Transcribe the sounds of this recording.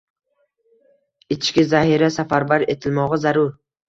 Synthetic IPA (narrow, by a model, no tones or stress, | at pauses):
ɪt͡ʃt͡ʃkʲɪzahiɾasafaɾbaɾe̞t̪ʰɪlmɒʁɑzaɾʊɾ